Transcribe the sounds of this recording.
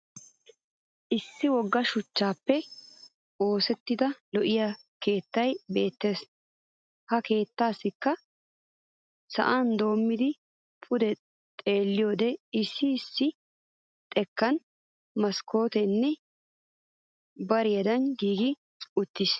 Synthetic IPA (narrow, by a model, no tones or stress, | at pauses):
ʔɪsːɪwɔɡːɐʃʊt͡ʃːaːpːɛ | o̞ːsɛt̪ːɪd̪ɐlɔʔɪja | ke̞ːt̪ːɐjbe̞ːt̪ːe̞ːs | hɐke̞ːt̪ːaːsːɪkːɐ | sɐ̰ʔaːnd̪o̞ːmːɪd̪ɪ | pʰʊd̪ɛ | t̪ʼe̞ːlːɪjo̞ːd̪ɛɪsːɪːsːɪ | t̪ʼɛkːɐn | mɐsko̞ːt̪ɛnːɛ | bɐɾɪjɐd̪ɐnɡiːɡɪ | ʊt̪ːɪs